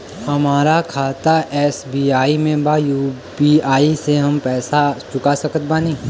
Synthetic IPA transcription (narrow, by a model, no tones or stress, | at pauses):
hɐmaːɾakʰaːt̪aʔɛːsbiːaːimẽbajuː | biaːiseɦɐmpɛːsat͡ʃʊkasɐkət̪̚baːniː